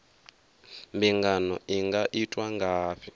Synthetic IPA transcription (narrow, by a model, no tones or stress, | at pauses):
mbiŋɡanɔ̰iŋɡaʔitʼwaŋɡaːɸʰi